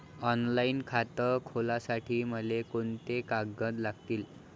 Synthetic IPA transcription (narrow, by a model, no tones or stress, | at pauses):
ɔnlainkʰat̪əkʰolasaʈʰiːməlekoɳt̪ekaɡəd̪laɡt̪iːl